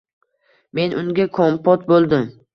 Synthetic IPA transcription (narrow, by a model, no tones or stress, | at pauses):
me̞nʔʊŋɡʲakʰompʰɒt̪̚bolˠd̪ɪm